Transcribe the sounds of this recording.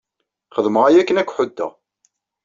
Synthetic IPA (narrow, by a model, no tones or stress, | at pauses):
χəðməʁæjækːənækʷːħʊd̪ːæ̰